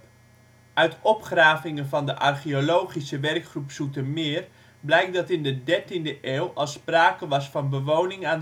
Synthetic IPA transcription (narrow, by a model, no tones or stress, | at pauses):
ʔœɥtɔpχraːvɪŋənvɑndəʔɑrχiolowχisəʋɛrkχrupsutəmɪːr | blɛjk̚dɑtɪndədɛɹtindəʔeːwˠɑlˠspraːkəʋɑsfɑnbəʋownɪŋaːn